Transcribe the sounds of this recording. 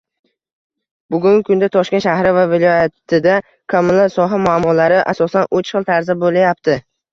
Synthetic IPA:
bʊɡʲʊŋkʰʊnd̪at̪ʰɒʃkʲnʃahɾɪvavɪlˠɒjat̪ʰɪd̪a | kʰamɪlasɒɦamʊamːɒlaɾɪʔa̰sɒsanot͡ʃχɨlˠt̪ʰaɾzabolajapt̪ʰɪ

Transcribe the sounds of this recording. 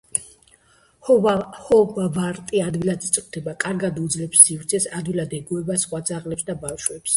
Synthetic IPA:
hɔvavaɾt̪ʼiad̪wilad̪it̪sʼqʼt̪ʰɛbakʼaɾɡad̪ud̪zlɛpsːifɾt̪sʰɛsad̪wilad̪ɛɡuɛbasχwad̪zaʁlɛpsd̪abafʃwɛps

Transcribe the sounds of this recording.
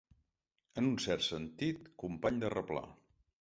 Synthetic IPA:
ənunsɛrt̪sənt̪it̪kumpaɲd̪ərəpla̰

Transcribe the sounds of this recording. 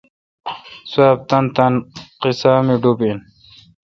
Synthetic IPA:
saːp̚t̪ɐnt̪ɐnqisaːmiɖubin

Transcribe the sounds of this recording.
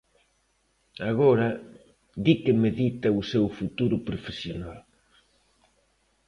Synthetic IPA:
aɣoɾɐ | d̪ikɪmeðit̪ɐusewfut̪uɾʊpɾofesjonal

